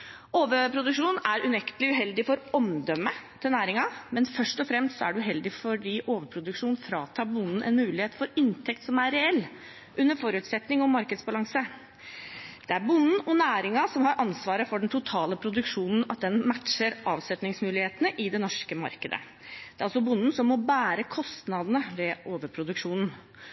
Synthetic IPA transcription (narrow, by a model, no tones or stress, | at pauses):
oːʋəpʰɾʊd̪ʉkʂuːnæɾʉnɛkt̪əlɪʉɦɛld̪ɪfɔɾɔmd̪œmːət̪ʰɪlnæːɾɪŋɑmɛnfœʂtɔfɾɛmst̪sɔæ̰ɖɛʉɦɛld̪ɪfɔɖiːʔoːʋəpʰɾʊd̪ʉkʂuːnfɾɑːt̪ʰɑːɾbʊnːn̩ʔɛ̰nmʉːlɪheːt̪fɔɾɪnt̪ʰɛk̚t̪sɔmæɾɛɛlː | ʔʉnːəɾfɔɾʉːt̪sɛt̪nɪŋɔmɑɾkəd̪sbɑlɑŋsə | d̪̥ɛæɾbʊnːn̩ɔnæːɾɪŋɑsɔmɦɑɾʔɑnsʋɑːɾəfɔɖɛnt̪ʰʊt̪ʰɑːləpʰɾʊd̪ʉkʂuːnn̩ɑt̪̚d̪ɛnmæʈʂəɾʔɑːʋsɛt̪nɪŋsmʉːlɪheːt̪ənəʔɪd̪ɛnɔʂkəmɑ̰ɾkəd̪ə̰ | d̪̥ɛːɾɑlsɔbʊnːn̩sɔmːɔbæːɾəkʰɔst̪nɑd̪ənəʋɛʔoːʋəɾpʰɾʊd̪ʉkʂuːnn̩